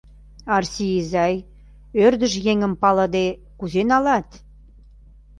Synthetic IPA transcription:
ɑrsʲijizɑj | ørd̪ə̆ʒjeŋə̆mpɑlə̆d̪e | kuzenɑlɑt̪

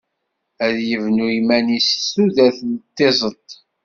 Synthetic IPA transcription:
æðjəvnujmænissuðæθnt̪ːezˤət̪ˤ

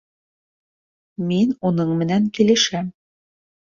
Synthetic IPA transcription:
minunɤɴmɘ̆næŋkilɘ̆ʃæm

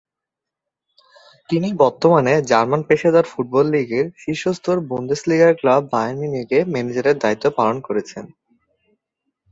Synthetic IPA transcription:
t̪inibɔɾt̪omaned͡ʑaɾmanpeʃed̪aɾfuʈ̚bɔlːiɡeɾʃiʃost̪ʰoɾbond̪esliɡaɾklabʱːajeɾminiɡemɛned͡ʑaɾeɾd̪ait̪ːopalonkoɾet͡ɕʰen

